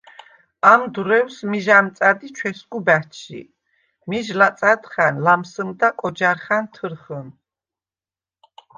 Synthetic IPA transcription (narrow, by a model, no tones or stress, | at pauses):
amd̪uɾɛwsmiʒamt̪sʼad̪it͡ʃʰwɛsɡubæt͡ʃʰḭ | miʒlat̪sʼad̪χanlamsəmd̪akʼɔd͡ʒaɾχant̪ʰəɾχən